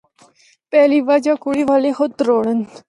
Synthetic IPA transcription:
pɛːliːʋad͡ʒakʊɽiːʋaːlexʊt̪ɾoːɽən

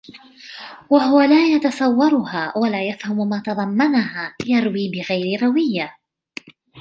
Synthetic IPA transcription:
waɦʊwalaːjat̪ɑsˤɑwːɑɾˤʊhaːwalaːjafhamʊmaːt̪ɑðˤɑmːanahaːjɑɾˤwiːbɪɣajɾɪɾˤɑwɪjːa

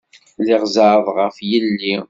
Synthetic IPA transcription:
lɪʁzəɾəðˤʁəfjəlːi

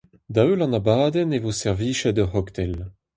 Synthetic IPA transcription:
d̪aølɑ̃nabaːd̪ɛnevosɛʁviːʃɛd̪əhɔkt̪ɛl

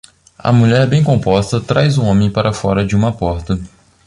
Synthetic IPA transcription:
ɐ̰muʎɛɾbẽj̃kõpɔst̪ɐt̪ɾajzũõmẽj̃paɾʔɐfɔɾɐd͡ʒɪũmɐpɔɾt̪ɐ

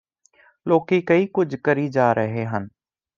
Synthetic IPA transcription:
loːkiːkɐiːkʊd͡ʒʱkəɾid͡ʒaːɾʔəɦeɦən

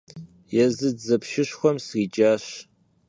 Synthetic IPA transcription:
jɛzɨzɐpʃɪɕxʷɔmsriːt͡ʃʼaːɕ

